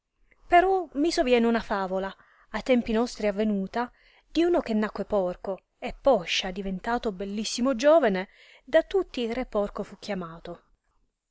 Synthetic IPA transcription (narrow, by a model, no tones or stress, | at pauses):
peɾɔmisovjɛːneunafaːvolaː | jt̪ɛmpinɔst̪ɾiavːenuːt̪a | d̪̥iuːnok̟enːakːwepɔrko | epːɔʃːad̪ivent̪aːt̪obelːisːimod͡ʒɔːvane | d̪at̪ːut̪ːiːrepɔrkofuk̟ːjamaːt̪o